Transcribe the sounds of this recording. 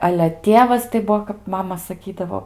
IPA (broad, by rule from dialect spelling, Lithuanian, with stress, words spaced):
ɐlʲɛ ˈtʲiɛʋɐs tɐɪ ˈbuɔ kɐp ˈmɑːmɐ sɐˈkʲiːdɐʋoː